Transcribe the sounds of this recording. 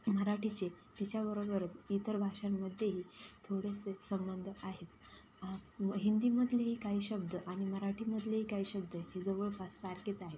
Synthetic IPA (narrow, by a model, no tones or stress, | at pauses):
məɾaʈʰit͡ɕet̪it͡ɕjaʋəɾobəɾət͡sit̪əɾbʱaʂanməd̪ʱjeɦiːt̪ʰoɽesesəmbənd̪ʱəaɦet̪ | ɦind̪iːməd̪ʱleɦiːkaɦiːɕəb̚d̪əʔaɽ̃iməɾaʈʰiməd̪ʱleɦiːkaɦiːɕəb̚d̪əɦed͡zəʋəɭpasːaɾket͡saɦet̪